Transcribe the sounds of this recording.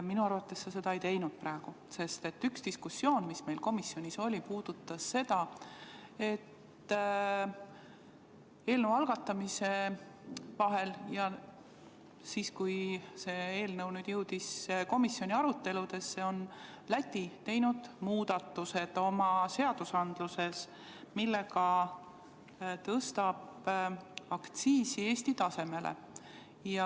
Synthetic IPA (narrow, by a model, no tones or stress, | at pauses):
minuɑrvɑt̪ːˑe̞sːese̞d̪ɑejt̪e̞jnud̪̥̚prɑeɡ̥u | se̞st̪e̞t̪ːykst̪iskusːjo̞ːnmisme̞jlko̞misːjo̞nʲiso̞lʲipuːd̪̥ut̪ˑːɑsːe̞d̪ɑ | e̞t̪ː | e̞ːlnəwɑlɡ̥ɑt̪ːˑɑmise̞ | vɑɦe̞ljɑ | siːskujse̞ːe̞ːlnɤwnyːd̪̥jɤwd̪̥isko̞misːjo̞nʲiɑɾut̪ːe̞lud̪̥e̞sːe̞o̞nlæt̪ʲːˑit̪e̞jnud̪̥muːd̪̥ɑt̪ːuse̞d̪̥o̞mɑse̞ɑd̪̥usɑnd̪̥luse̞s | milːe̞ɡɑ | t̪ɤst̪ɑb̥ | ɑkt̪siːsie̞ːsʲt̪it̪ɑse̞me̞lḛ | jɑ